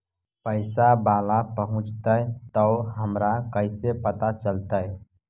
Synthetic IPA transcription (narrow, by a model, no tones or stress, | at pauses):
pəɪsabaːlapəɦʊ̃t͡ʃt̪əjt̪əʊɦəmɾakəɪsepət̪at͡ʃəlt̪əj